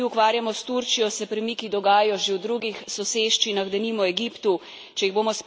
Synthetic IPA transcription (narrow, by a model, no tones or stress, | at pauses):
iukʋaːɾjamɔst̪uɾt͡ʃijɔsɛpɾimikid̪ɔɡaːjɔʒewd̪ɾuɡixsɔseʃt͡ʃinaɣd̪ɛniːmɔɛɡipt̪u | t͡ʃɛjiɣboːmɔsp